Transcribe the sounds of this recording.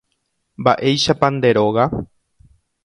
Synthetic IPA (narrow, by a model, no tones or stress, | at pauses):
mba̰ʔe̞jʃapãnd̪e̞ɾo̞ɣa